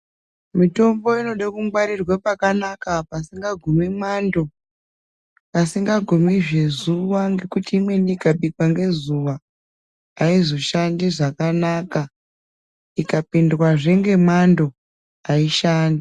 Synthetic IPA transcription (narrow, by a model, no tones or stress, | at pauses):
mito̞mbo̞ino̞ɗakumɡwaɾirwapakanakapasiŋɡaɡʱumimando̞ | pasiŋɡaɡʱumiʐe̞zuʋaŋɡe̞kutiːmwe̞nikaɓikwaŋɡe̞zuʋaː | izo̞ʃandiʐakanaka | ikapindwaʐeŋɡe̞mando̞ | aiʃaːndi